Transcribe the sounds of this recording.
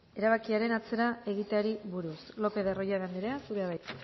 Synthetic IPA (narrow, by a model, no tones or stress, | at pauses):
e̞ɾaβ̞akiaɾe̞nat͡se̞ɾae̞ɣ̞it̪eaɾiβuɾuslo̞pe̞ðero̞jaɣand̪eɾeasuɾeaβajt̪